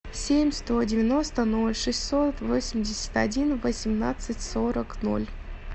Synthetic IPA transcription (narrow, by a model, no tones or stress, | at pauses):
sʲemʲst̪odʲɪvʲɪno̞st̪ənolʲʂɨsʲtʲso̞t̪vosʲɪmʲdʲɪsʲə̥t̪ɐdʲinvəsʲɪmna̰t̪sɨtʲsoɾəkno̰lʲ